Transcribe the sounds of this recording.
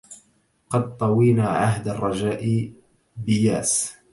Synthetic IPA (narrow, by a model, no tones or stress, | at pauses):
qɑd̪̚t̪ˤɑwiːnaʕaɦd̪arˤːɑd͡ʒaːʔɪ | bɪjaːs